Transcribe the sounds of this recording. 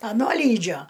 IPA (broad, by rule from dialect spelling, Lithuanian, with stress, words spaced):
ɐˈnoː ˈlʲiːd͡ʒʲoː